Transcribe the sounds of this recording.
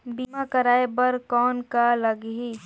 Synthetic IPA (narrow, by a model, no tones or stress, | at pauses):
biːmakɐɾaːebɐɾkɔːnkalɐɡɦi